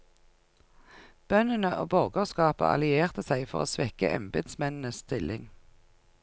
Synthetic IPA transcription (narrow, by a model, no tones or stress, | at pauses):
b̥œnənəʔo̰ːbɔʁɡoskɑːpə̰ʔɑ̰lɪeːʁt̪əsæɪfɔ̰ʁo̰ːsʋɛkə̰ʔɛ̰mbed̪smɛnn̩əsst̪ɪlʔɪŋ